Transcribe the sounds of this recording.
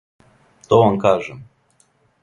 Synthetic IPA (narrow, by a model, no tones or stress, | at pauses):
t̪oʋamkaːʒɛm